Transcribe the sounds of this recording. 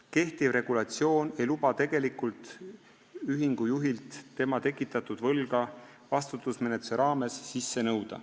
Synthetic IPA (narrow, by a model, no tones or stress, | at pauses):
ke̞ht̪ivre̞ɡ̥ulɑt̪sio̞ːnejlubɑt̪e̞ɡ̥e̞likˑult̪ˑ | yɦiŋɡ̥ujuɦilt̪t̪ːe̞mɑt̪e̞kːˑit̪ːˑɑt̪ːud̪̥vɤlɡ̥ɑ | vɑst̪ut̪ˑːusme̞net̪u̥seɾɑːme̞sːisːe̞nɤwd̪̥ɑ̰